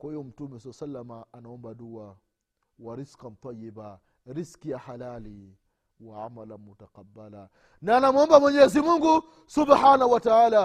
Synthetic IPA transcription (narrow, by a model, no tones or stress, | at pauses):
kahijɔm̩tumɛsalːasalːamaːnaɔmbadua | waɾiskam̩t̪ajiba | ɾiskijahalali | waʕa̰malamːutaqabːala | naːnamuɔmbamwɛɲɛzimuŋɡu | subhanahuwataaːla